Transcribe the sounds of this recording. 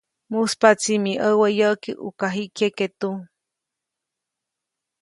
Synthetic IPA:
muspat͡simĩʔəwəjəkiʔṵkaɦiʔkʰeket̪u

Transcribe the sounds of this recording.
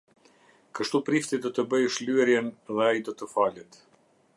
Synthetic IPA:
kəʃt̪upɾift̪id̪ɔt̪əbəjʃlyɛɾjɛnðɛajid̪ɔt̪əfalət̪

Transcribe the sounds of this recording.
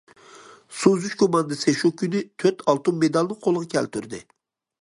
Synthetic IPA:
suzyʃkʰomɑnd̪ɨsɨʃukʲʰːynɪt̪ʰøt̪ʰɑlˠt̪umːed̪ɑlˠnɨŋqʰolˠəʁɑkʲʰɛlt̪ʰyɾd̪ɪ̰

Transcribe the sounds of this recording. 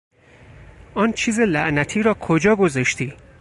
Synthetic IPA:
ɒːnt͡ʃʰiːzelæʔnæt̪ʰiːɾɒːkʰod͡ʒɒːɡozɒʃt̪ʰiː

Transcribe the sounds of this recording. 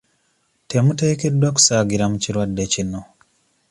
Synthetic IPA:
te̞mute̞ːke̞dːwak̬u̥saːɡiɾamuciɾwadːe̞cino̞

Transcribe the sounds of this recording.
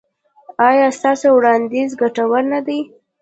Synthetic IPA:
ɑjɑst̪ɑsowɽɑnd̪izɡaʈawaɾnad̪aj

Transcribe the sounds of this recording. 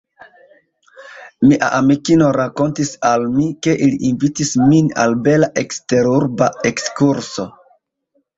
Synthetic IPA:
miʔa̰ʔamikino̞ɾako̞ntisalmike̞ʔiliʔinvitismina̰lbe̞laʔe̞kste̞ɾuɾbae̞kskuɾso̞

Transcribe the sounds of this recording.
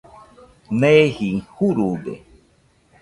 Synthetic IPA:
nehihuɾud̪ḛ

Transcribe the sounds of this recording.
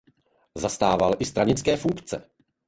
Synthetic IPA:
zast̪aːvalʔɪst̪ɾaɲɪt͡skɛːfuŋkt͡sɛ̰

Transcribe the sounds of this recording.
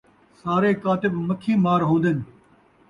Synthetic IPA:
saːɾeːkaːt̪ɪbməkʰːĩːmaːɾɦõːnd̪ɪn

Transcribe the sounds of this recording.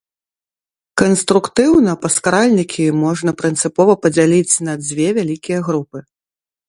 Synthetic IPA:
kɐnst̪ɾukt̪ɨwnɐpɐskaɾalʲnʲikʲimɔʐnɐpɾɨnt̪sɨpɔvɐpɐd͡zʲalʲit͡sʲnɐd͡zʲvʲɛvʲalʲikʲijɐɣɾupɨ

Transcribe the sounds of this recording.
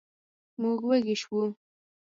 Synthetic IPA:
muɡwəɡɪʃwu

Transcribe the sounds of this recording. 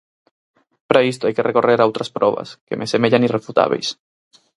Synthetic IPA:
pɾʔaist̪oajkerʔekoreɾawt̪ɾaspɾɔβa̰skemʔesemeʎanirefut̪a̰β̞ḛjs

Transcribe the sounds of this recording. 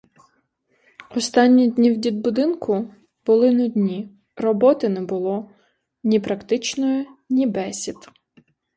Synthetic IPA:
ɔst̪ɑnʲːid̪ʲnʲiwdʲid̪̚bʊd̪ɪnkʊ | bʊlˠɪnʊd̪ʲnʲi | rɔbɔt̪ɪnɛbʊlˠɔ | nʲipɾɐkt̪ɪt͡ʃnɔjʊnʲibɛsʲid̪

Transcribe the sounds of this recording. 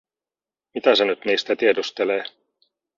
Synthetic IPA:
mit̪æsenyt̪niːst̪æt̪iedust̪eleː

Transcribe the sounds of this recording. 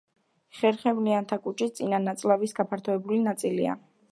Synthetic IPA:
χɛɾχɛvliant̪ʰakʼut͡ʃʰʼit̪sʼinanːat̪sʼlˠavisɡapʰaɾt̪ʰɔɛbulinat̪sʼilia̰

